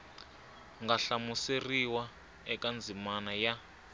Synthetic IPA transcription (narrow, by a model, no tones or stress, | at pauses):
ŋɡaɬamuseriwa | ɛkʼand͡zʱimanaja